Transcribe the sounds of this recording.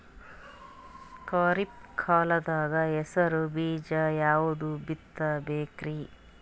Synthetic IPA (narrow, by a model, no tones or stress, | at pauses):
kɐːɾip̚kʰaːlɐd̪aːɡɐɛsɐɾubiːd͡ʒɐjaːʋud̪ubit̪ːɐbeːkɾi